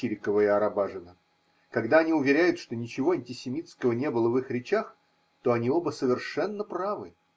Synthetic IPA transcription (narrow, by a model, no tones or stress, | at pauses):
iɾʲɪkəvəɪɐɾɐbaʐɨnə | kɐɡd̪aɐnʲiʊvʲɪɾʲæjʊt̪ʂt̪o̞nʲɪt͡ɕɪvo̞ɐnʲtʲɪsʲɪmʲit̪skəvənʲe̞bɨlˠəvɨxɾʲɪt͡ɕax | t̪o̞ɐnʲio̞bəsəvʲɪrʂɛnːəpravɨ